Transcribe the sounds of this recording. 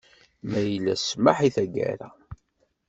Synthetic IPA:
mæjəlːæsmaħiθæɡæ̰ɾæ

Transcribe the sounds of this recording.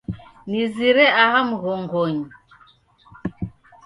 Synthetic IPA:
niziɾɛaɣamuɣɔŋɡɔɲi

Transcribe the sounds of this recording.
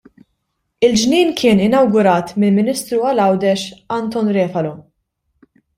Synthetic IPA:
ɪld͡ʒniːnkʰɪːnɪnɐwɡʊɾɐːt̪mɪlmɪnɪst̪ɾuɐlɐwd̪ɛʃɐnt̪ɔnɾɛːfɐlɔ

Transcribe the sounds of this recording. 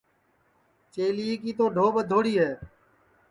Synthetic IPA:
t͡ʃeːliːkiːt̪oːɖʱoːɓəd̪ʱoːɽiːɦeː

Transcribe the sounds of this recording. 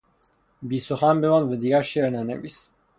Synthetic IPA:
bisɔχambɛwanvɛd̪iɡaʃɛɾnanɛ̰bis

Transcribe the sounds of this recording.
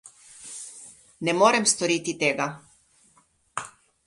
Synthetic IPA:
nɛmoːɾɛmst̪ɔɾiːt̪it̪eːɡa

